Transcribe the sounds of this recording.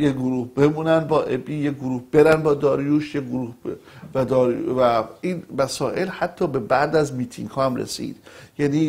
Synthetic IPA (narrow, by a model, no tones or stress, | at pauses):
jeɡoɾuːhbe̞muːnænd̪bɒːʔebiːjeɡoɾuːhb̥e̞ɾænd̪bɒːd̪ɒːɾjuːʃjeɡoɾuːhæd̪ɒːɾvæiːnmæsɒːʔe̞lhæt̪ʰːɒːbe̞bæʔd̪æzmiːt̪ʰiŋɡhɒːhæmɾḛsḭːd̪̥jæniː